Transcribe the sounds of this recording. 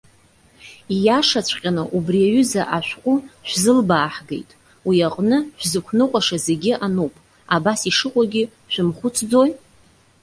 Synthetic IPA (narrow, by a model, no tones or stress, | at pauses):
ijaʂat͡ɕʷʰʼqʲʼanɨʔubriaɥʏzaʔaʃʷᶣqʷʼʊʃʷᶣzɨlbaːħɡḛjtʼ | wiaqʼnɨʃʷᶣzɨkʷʰnɨqʷʼaʂazeɡʲɪʔanupʼ | abasiʂɨqʷʼaɡʲɪ | ʃʷᶣʊmχʷʊt͡sʰd͡zo̞j